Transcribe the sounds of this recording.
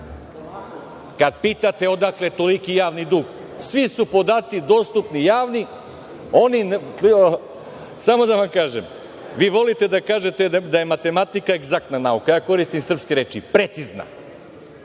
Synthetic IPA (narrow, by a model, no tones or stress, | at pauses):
kad̪piːt̪at̪e̞od̪aklet̪o̞likijaːʋnid̪uːɡ | sʋisupo̞d̪aːt̪sid̪o̞st̪upnijaːʋni | o̞nin | samo̞d̪aʋamkaːʒem | ʋiːʋo̞lit̪e̞d̪akaːʒe̞t̪ed̪aje̞mat̪e̞mat̪ikaeɡzak̚t̪nanaukajaːko̞ɾist̪imsr̩pskeɾeːt͡ʃipɾe̞t̪sizna̰